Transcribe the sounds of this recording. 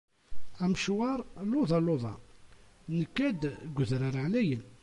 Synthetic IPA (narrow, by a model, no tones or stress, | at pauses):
æmʃwɑɾˤlʊðˤɑlʊðˤɑ̰ | nəkːæd̪ɡʷðɾaɾʕlæjən